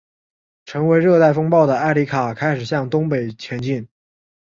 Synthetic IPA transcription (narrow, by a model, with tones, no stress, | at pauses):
ʈ͡ʂʰɤ˧˥ŋwe˧˥ɪɻɤ˥˧t̪a˥˩ɪfɤ˥ŋpɑ˥˩ʊd̪ə˩a˥ɪli˧˥kʰa˨˩kʰa˥ɪʂɻ̩˨˩ɕjɑ˥˩ŋt̪ʊ˥ŋpe˨˩ɪt͡ɕʰjɛ˧˥nt͡ɕi˥˩n